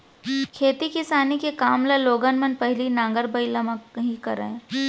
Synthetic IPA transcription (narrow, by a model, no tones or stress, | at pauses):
kʰeːt̪ikɪsaːnikekaːmlaloːɡənmɐnpɐɦlinãːŋɡəɾbɐɪlɐməɦikɐɾəɦẽː